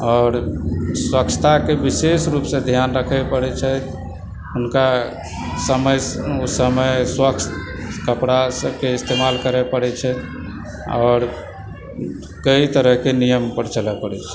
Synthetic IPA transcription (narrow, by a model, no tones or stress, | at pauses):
ɔːɾswəkt͡ʃʰə̥t̪ʰakebisesɾupsẽd̪ʱjanɾəkʰɛpəɽɛt͡ʃʰɛt̪ʰ | ɦunka | səməjusəməjswəkst̪kəpɽasəb̚ʱkeist̪emalkəɾɛpəɽɛt͡ʃʰɛt̪ʰ | ɔ̰ːɾ | kəit̪əɾəɦkenijəmpəɾt͡ʃəlɛpəɽɛt͡ʃʰɛ̥